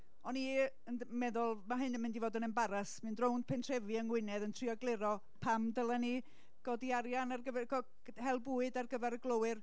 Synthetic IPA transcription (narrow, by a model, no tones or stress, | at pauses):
ɔni | ənmɛðʊlˠmaɦɨnəmɪndivoːdənənbaɾasmɨndrownpʰɛntʰr̥ɛvɨənwɪnɛðəntʰriɔɡlˠɪɾɔ | pʰamdəlˠəni | ɡ̥ɔdiaɾjanarɡəvɛɡɔ | hɛlˠbuːɨdarɡəvɛɾəɡlˠowɨr